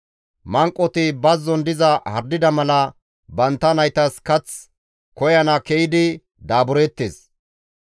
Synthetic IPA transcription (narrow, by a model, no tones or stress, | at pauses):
mɐŋkʼːɔt̪ɪbɐzːɔnd̪ɪzɐhɐɾd̪ɪd̪ɐmɐlɐ | bɐnt̪ːɐnɐjt̪ɐskɐt͡s | kɔjɐnɐkɛjɪd̪ɪ | d̪aːbʊɾɛt̪ːeːs